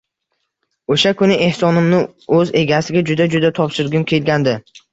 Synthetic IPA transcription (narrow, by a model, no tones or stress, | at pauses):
oʃakʰʊnɪʔe̞hsɒnɪmnɪ | ɵze̞ɡʲasɪɡʲad͡ʒʊd̪ad͡ʒʊd̪at̪ʰɒpʃɪɾɡʲʊnkʲʰe̞lɡʲand̪ɪ